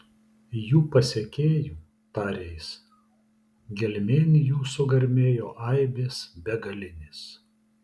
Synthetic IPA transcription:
juːpɐsʲekʲeːjuː | pɑɾʲɛɪs | ɡʲɛlʲmʲeːnʲɪjuːsʊɡɐɾʲmʲeːjoːʔɐɪbʲeːsbʲɛɡɐlʲɪnʲeːs

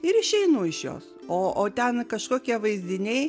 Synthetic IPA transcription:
ɪɾɪʃʲɛɪnʊɪʃjo̰ːs | oːʔoːt̪ʲɛnkɐʃkoːkʲiɛʋɐɪzʲd̪ʲɪnʲɛɪ

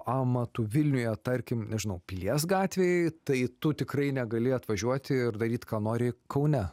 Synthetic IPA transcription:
ɑːmɐt̪uʋʲɪlʲnʲʊjɛt̪ɐɾʲkʲɪmnʲɛʒʲɪnɐʊpʲlʲiɛs̬ɡɑːt̪ʲʋʲeːjɛɪt̪ɐɪt̪ʊt̪ʲɪkrɐɪnʲɛɡɐlʲɪɐt̪ʋɐʒʲuɔt̪ʲɪɪrd̪ɐɾʲiːt̪ʲkɑːnoːɾʲɪkʰɐʊnʲɛ

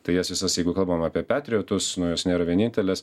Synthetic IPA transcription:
t̪ɐɪjɛsʋʲɪsɐsjɛɪɡʊkɐlˠbɐmaːpʲiɛpʲæːt̪ʲɾʲɪoːt̪ʊsnʊjoːsnʲeːɾɐʋʲiɛnʲiːnʲt̪ʲɛlʲɛs

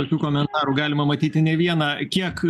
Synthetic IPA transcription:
oːkʲuːkoːmʲɛnt̪ɑːɾuːɡɑːlʲɪmɐmɐt̪ʲiːt̪ʲɪnʲɛʋʲiɛnɑːkʲiɛk

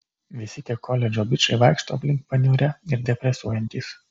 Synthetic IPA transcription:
ʋʲɪsʲɪt̪ʲiɛkʰɔlʲɛd͡ʒʲoːbʲɪt͡ʃɐɪʋɑɪkʃt̪o̰ːpʲlʲɪŋkpɐnʲuːɾʲɛɪɾd̪ʲɛpʲɾʲɛsuɔjɛnʲt̪ʲiːs

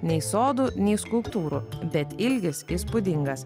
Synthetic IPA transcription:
nʲɛɪsoːd̪uːnʲɛɪskʊlˠpt̪uːɾubʲɛt̪ɪlʲɡʲɪsispʊd̪ʲɪŋɡɐs

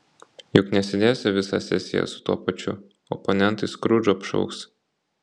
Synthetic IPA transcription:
jʊknʲɛsʲɪd̪ʲeːsʲɪʋʲɪsɐ̰sʲɛ̰sʲɪjɛ̰sʊ̥t̪uɔpɐt͡ʃʲʊ | ɔpɔnʲɛnt̪ɐskɾʊd͡ʒɔpʃɔ̰ʊks

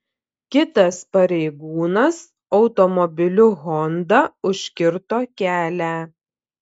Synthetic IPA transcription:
kʲɪt̪ɐspɐɾʲɛɪɡuːnɐs | ɒʊt̪ɔmɔbʲɪlʲʊɣɔnd̪ɐʊʃʲkʲɪɾt̪oːkʲæːlʲæː

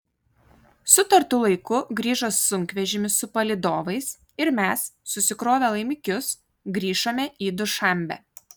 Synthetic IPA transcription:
sʊt̪ɐɾt̪ʊlˠɐɪkʊɡɾʲiːʒosːʊŋʲkʲʋʲɛʒʲɪmʲɪsʊpɐlʲɪd̪oːʋɐɪs | ɪɾmʲɛsːʊsʲɪkɾoːʋʲeːlˠɐɪmʲɪkʲʊs | ɡɾʲiːʃoːmʲɛʔiːd̪ʊʃɐˑmʲbʲɛ̰

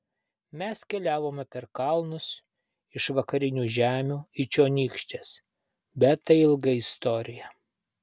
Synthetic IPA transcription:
mʲɛskʲɛlʲæːʋoːmʲɛpʲɛɾkɐlˠnʊs | ɪʃʋɐkɐɾʲɪnʲuːʒʲæːmʲuːɪt͡ʃʲoːnʲiːkʃʲt̪ʲes | bʲɛt̪ːɐɪɪlˠɡɐɪst̪ɔːɾʲɪjɛ

